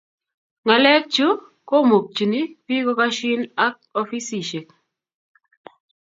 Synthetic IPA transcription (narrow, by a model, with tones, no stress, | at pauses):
ŋa˨lɛ˦k̚t͡ʃu˦ | ko˦mo˨k̚t͡ʃi˨ni˦pi˦ko˦ka˦ʃɪ˦na˦k̚ɔ˦fi˦si˨ʃe˨k̚